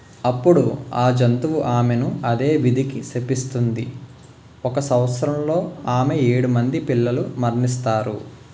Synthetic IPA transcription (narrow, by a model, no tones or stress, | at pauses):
ɐpːuɽuaːd͡ʒɐnt̪uʋuʔaːmenuɐd̪e̞ːʋid̪ʱikisepist̪und̪i | ɔkɐsɐwt̪sɐɾɐmlo̞ːaːmeeːɽumɐnd̪ipilːɐlumɐɾnis̬t̪aːɾṵ